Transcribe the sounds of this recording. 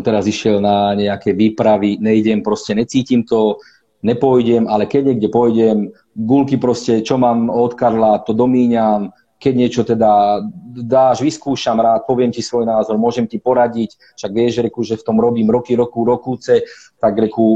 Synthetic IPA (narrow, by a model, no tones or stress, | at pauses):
mt̪ɛɾaziʃɪɛlnaɲɛakɛʋiːpɾaʋiɲɛjɟɛmpɾɔscɛɲɛt͡siːcimt̪ɔ | nɛpɔjɟɛmalɛkɛɟɲɛɡɟɛpɔjɟɛm | ɡulkipɾɔscɛt͡ʃɔmaːmɔt̪kaɾlat̪ɔd̪ɔmiːɲam | kɛɟɲɪɛt͡ʃɔt̪ɛd̪a | d̪aːʒʋiskuːʃamɾaːt̪̚pɔʋɪɛmtcisʋɔjnaːzɔɾmʊɔʒɛmcipɔɾaɟic | fʃaɡʋɪɛʒɾɛkuʒɛft̪ɔmɾɔbiːmɾɔkiɾɔkuɾɔkuːt͡sɛ | t̪aɡɾɛku